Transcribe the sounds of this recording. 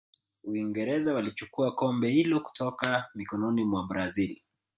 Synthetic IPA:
wiŋɡɛɾɛzawalit͡ʃukuakɔmbɛhilɔku̥tʰɔkamikɔnɔnimwabɾazili

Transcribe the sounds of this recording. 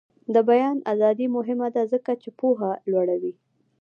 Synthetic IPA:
d̪əbajɑnazɑd̪imʊɦɪmad̪azəkat͡ʃepoɦalwaɽawi

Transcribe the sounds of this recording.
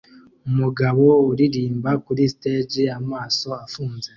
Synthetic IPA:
umuɡaβouɾiɾiːmbakuɾisi̥teːd͡ʒiamaːso̞afuːnze

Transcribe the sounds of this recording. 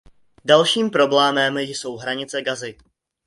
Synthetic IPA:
dalʃiːmpɾo̞blɛːmɛmjso̞wɦɾaɲɪt͡sɛɡazɪ

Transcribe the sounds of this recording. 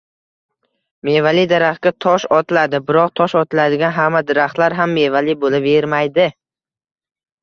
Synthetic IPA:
mevalid̪aɾaχkʲat̪ʰɒʃɒt̪ʰɪlad̪ɪbɪɾɒq̚t̪ʰɒʃɒt̪ʰɪlad̪ɪɡʲanɦamːad̪ɪɾaχt̪laɾɦamːe̞valibolɪpeɾmajd̪ɪ

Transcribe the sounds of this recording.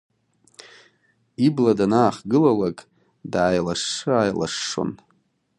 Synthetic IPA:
ibladanaːχɡɨlalakʼ | daːjlaʂːɨajla̰ʂːo̰n

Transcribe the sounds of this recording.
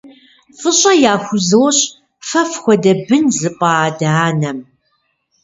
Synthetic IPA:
fɨɕʼɐjaːxʷʊzɨwɕ | fɐfxʷɔdɐbɨnzɨpʼɑːdɐaːnɐm

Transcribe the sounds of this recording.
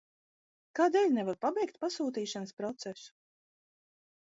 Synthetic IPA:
kaːd̪ɛːlʲnɛvaɾpabɛjkt̪̚pasuːt̪̬iːʃanəspɾɔt̪sɛsu̥

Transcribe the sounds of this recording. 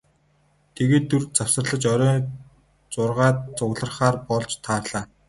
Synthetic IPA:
t̪ʰeɣeːt̪ːurt͡saw̥sə̆rɮə̆t͡ɕœɾʲœː | t͡sʊrʁaːt̪̚t͡sʊɣɮə̆rχaːrpɔɮt͡ɕt̪ʰaːrɮaː

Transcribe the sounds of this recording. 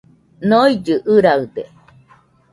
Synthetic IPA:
noid͡ʒɯʔɯɾaɯd̪e

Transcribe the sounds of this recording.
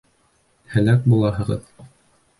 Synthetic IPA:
hæ̆læk̚bulˠɑɦɤ̆ʁɤ̰ð

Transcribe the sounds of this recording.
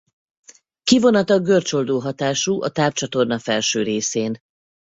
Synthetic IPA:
kivo̞nɒt̪ɒɡørt͡ʃo̞ld̪oːɦɒt̪aːʃuːʔɒt̪aːpt͡ʃɒt̪o̞rnɒfɛlʃøːɾeːseːn

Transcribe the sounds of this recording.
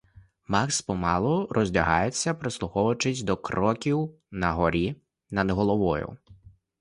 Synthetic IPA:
mɑkspɔmɑlˠɔɾʔɔzʲlʲɐɦɑjet͡sʲːɐpɾɪslˠʊxɔʋɐt͡ʃɪsʲd̪ɔkɾɔkʲiw | nɐɦɔɾʲi | nɐd̪ɦɔlˠɔʋɔjʊ̰

